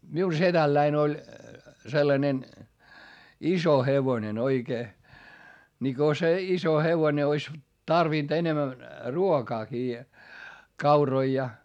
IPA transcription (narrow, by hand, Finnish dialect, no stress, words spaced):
miu setælːæin olʲ selːɑnen iso heʋonen oikeː ni ko se iso heʋone ois tɑrʋiˑnt enemæn ruokɑːkiː kɑuroi jɑ